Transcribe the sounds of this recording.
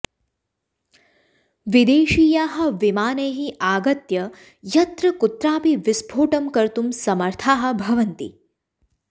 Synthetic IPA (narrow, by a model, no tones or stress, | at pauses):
ʋid̪eːʃiːjaːɦɐ̆ʋimaːneːɦiʔaːɡɐt̪jɐ | jɐt̪ɾɐkut̪ɾaːpiʋɪsbʱoːʈɐmkɐɾt̪umsɐmɐɾt̪ʰaːɦɐ̆bʱɐʋɐnt̪ḭ